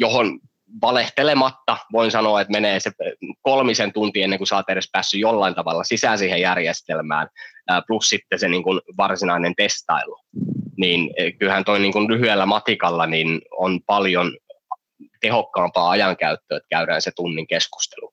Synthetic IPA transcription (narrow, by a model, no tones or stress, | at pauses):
johon | ʋɑleht̪elemɑt̪ːɑʋoinsɑnoɑet̪meneːsekolmisent̪unt̪ienːeŋkusɑːt̪ːeɾespæːsːyjolːɑint̪ɑʋɑlːɑsisæːsiːhejærjest̪elmæ̰ːnːplussit̪ːeseniːŋkunʋɑrsinɑinent̪est̪ɑ̰iloniːnkylhænt̪oiniːŋkunlyhyelːæmɑt̪ikɑlːɑninonpɑljon | t̪ehokːɑːmpɑːɑjɑŋkæyt̪ːøːet̪kæyɾæ̰ːnset̪unːiŋkesku̥st̪e̥lu